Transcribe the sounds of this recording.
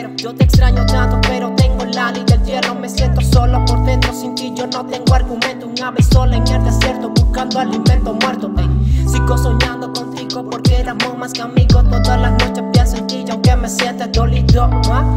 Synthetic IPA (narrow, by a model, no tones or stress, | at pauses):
ɾod͡ʒot̪ekst̪ɾaɲot̪at̪opeɾot̪eŋɡolalid̪ed͡ʒernomesjent̪osolapoɾd̪ent̪ɾosint̪iʝonot̪eŋɡoaɾɣumẽnt̪oŋaβesolaeŋeɾd̪asjeɾt̪obuskand̪oalimẽnt̪omweɾt̪ot̪esikosoɲand̪okont̪iɣopoɾkelamomaskamiɣot̪oðalanot͡ʃepjansent̪iʝakemesjent̪ad̪olid͡ʒowa